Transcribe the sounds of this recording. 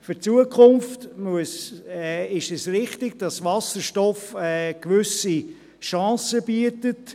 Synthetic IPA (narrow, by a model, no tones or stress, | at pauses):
fʏɾt͡suəkʰχʊmftmuəsɛɪʃɛsrɪχtɪɡ̥̚d̥ɑsvɑsəɾʃtɔfɛːkʋʏsi | ʃɑ̃ːsəb̥iətət